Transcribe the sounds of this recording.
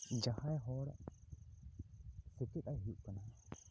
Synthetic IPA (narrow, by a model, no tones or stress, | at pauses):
d͡ʒahajɦɔɽ | sɛkit̪ajɦuʔkana